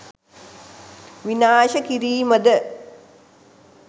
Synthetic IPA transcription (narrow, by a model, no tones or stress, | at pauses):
ʋinaːʃəkiɾiːməd̪ə